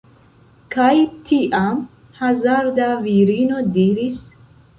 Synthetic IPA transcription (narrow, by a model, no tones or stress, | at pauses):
kajt̪ʰiʔam | hazaɾd̪aviɾinod̪iɾis